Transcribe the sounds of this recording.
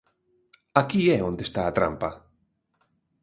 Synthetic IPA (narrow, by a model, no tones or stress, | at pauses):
akieõnd̪est̪aːt̪ɾa̰mpa